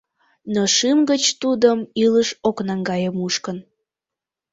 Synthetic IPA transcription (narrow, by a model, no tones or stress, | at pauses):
nəʃɨmɡət͡ɕt̪ud̪əmiləʃoknɑŋɡɑjəmuʃkən